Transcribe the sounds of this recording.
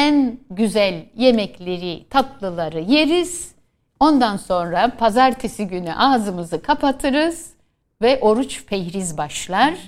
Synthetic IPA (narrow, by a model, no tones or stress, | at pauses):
ænɟyzælʲje̞mɛclʲe̞ɾit̪ʰat̪lˠɯlˠaɾɯjeɾiz̥ | o̞nd̪anso̞nɾapʰazaɾt̪ʰesiɟyny̰ʔaːzɯmɯzɯkʰapat̪ʰɯɾɯz̥ | vɛʔo̞ɾut͡ʃpʰɛjɾizbaʃlˠaɾ̥